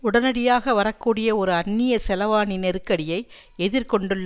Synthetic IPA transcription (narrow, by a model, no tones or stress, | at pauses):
ʊɽɐnɐɽɪjaːɣɐʋɐɾɐkːuːɽɪjɐɔɾɯɐnːɪjɐsɛlɐʋaːnɪnɛɾɯkːɐɽɪjɐɪ | ɛðɪɾkɔɳɖɯɭːɐ